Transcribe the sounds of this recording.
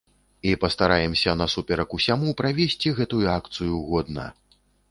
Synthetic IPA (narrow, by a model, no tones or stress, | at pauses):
ipɐst̪aɾajɛmsʲɐnɐsupʲɛɾɐkusʲamupɾavʲesʲt͡sʲiɣɛt̪ujuakt̪sɨjuɣɔd̪nɐ̰